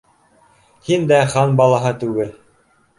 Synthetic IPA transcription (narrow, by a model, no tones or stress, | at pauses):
hind̪æχɑnbɑlˠɑɦɤt̪ʉɡɘl